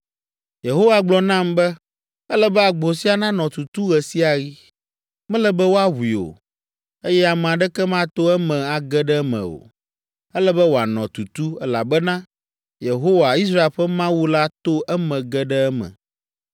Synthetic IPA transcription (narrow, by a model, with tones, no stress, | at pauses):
je˨ɦo˦wa˨ɡ͡blɔ˨nã˦˨mbɛ˦ | ɛ˦lɛ˦bɛ˦a˨ɡ͡bo˨si˦a˨nã˦nɔ̃˨t̪u˨t̪u˦ɣɛ˨si˦a˨ɣi˦ | mɛ̃˦lɛ˦bɛ˦wo˦a˦ɦu˨i˨o̰˨ | e˦jɛ˦a˨mɛ̃˨a˨ɖɛ˦kɛ˦mã˦t̪o˦ɛ˦mɛ̃˨a˨ɡɛ˦ɖɛ˦mɛ̰̃˨o̰˨ | ɛ˦lɛ˦bɛ˦wo˨a˨nɔ̃˨t̪u˨t̪u˦ɛ˦la̰˨bɛ˦nã˦ | je˨ɦo˦wa˨i˦s̬ɾa˦e˨lɸɛ˦mã˦wu˦la˦t̪o˦ʔɛ˦mɛ̃˨ɡɛ˦ɖɛ˦ɛ˦mɛ̰̃˨